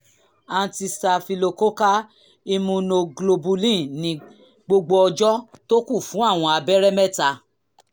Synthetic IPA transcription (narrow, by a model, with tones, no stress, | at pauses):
ã˧ti˧sa˧fi˧lo˧ko˦ka˦ | i˧mũ˧no˧ɡlo˧bu˧lĩ˦˨nĩ˧ | ɡ͡bo˧ɡ͡bo˧ɔ˧d͡ʒɔ˦to˦kũ˦˨fũ˨˦a˦˨w̃ɔ̃˧a˧bɛ˦ɾɛ˦mɛ˦˨ta˧